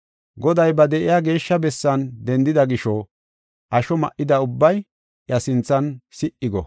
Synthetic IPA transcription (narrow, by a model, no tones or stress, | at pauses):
ɡɔd̪ɐjbɐd̪ɛʔɪjaːɡe̞ːʃːɐbɛsːɐnd̪ɛnd̪ɪd̪ɐɡɪʃɔ | ʔɐʃɔmɐ̰ʔɪd̪ɐʊbːɐj | ʔjɐsɪnt͡sːɐnsɪʔːɪɡɔ̰